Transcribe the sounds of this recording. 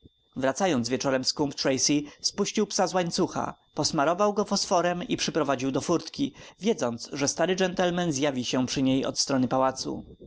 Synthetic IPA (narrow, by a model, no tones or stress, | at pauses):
vɾat̪sajɔnzvʲjɛt͡ʂɔɾɛmskumpt̪ɾɛjsispuɕt͡ɕiwpsazwaɲt̪suxa̰ | pɔsmaɾɔvawɡɔpɔsfɔɾɛmipʂɘpɾɔvad͡ʑiwd̪ɔfuɾt̪kʲivʲjɛd̪zɔnt̪sʐɛst̪aɾɘd͡ʐɛnt̪ɛlmɛnzʲjavʲiɕɛpʂɘɲejɔ̰t̪st̪ɾɔnɘpawat̪sṵ